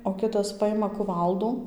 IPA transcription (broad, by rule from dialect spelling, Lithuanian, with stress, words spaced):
oː ˈkʲɪtɐs ˈpɑːjɪmɐ kʊˈʋɐlˠduː